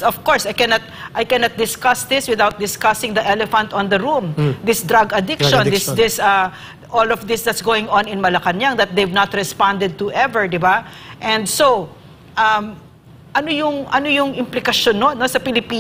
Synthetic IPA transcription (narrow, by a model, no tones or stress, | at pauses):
ɔfkɔɹsɐjkɛnɐt̪̚ʔajkɛnɐt̪̚d̪ɪskasd̪ɪswɪðawt̪̚d̪ɪskasɪ̃ŋd̪ɐʔɛlɛfɐ̃nt̪ɔ̃nd̪ɐɹũmd̪ɪsd̪ɹaɡɐd̪ɪkʃɔ̃nd̪sd̪ɪsa | ʔolɔfd̪ɪsd̪ɐt̪sɡowɪ̃ŋɔ̃nɪ̃nmɐlɐkɐnjaŋd̪ɐt̪̚d̪ejvnɐt̪ɹɛspãnd̪ɛd̪̚t̪ʊʔɛvɛɹd̪ɪba | ʔɛ̃nd̪so | ʔɐm | ʔɐnojʊŋʔɐnojʊŋʔɪmplɪkɐʃonːonosɐpɪlɪpi